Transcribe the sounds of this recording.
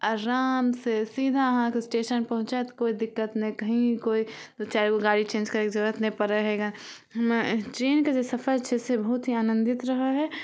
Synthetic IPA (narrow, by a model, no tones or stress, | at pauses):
aɾaːmsesiːd̪ʱaɦãkesʈeːʃənpɐɦʊ̃t͡ʃat̪koːid̪ɪkːət̪nɛkəɦĩkoːiot͡ʃaːɾkoɡaːɽit͡ʃẽːnd͡ʒkɐɾeːkd͡ʒəɡət̪nẽpəɾeɦeɡa | ɦmt͡ʃɾeːnked͡ʒosɐfəlt͡ʃʰɛsebəɦʊt̪ɦiaːnə̃nd̪ɪt̪ɾəɦəɦɛ